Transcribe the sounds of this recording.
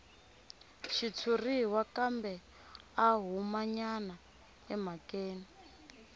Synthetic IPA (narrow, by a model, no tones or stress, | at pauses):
ʃit͡sʰuriwakambɛ | aɦumaɲana | ɛmakeːni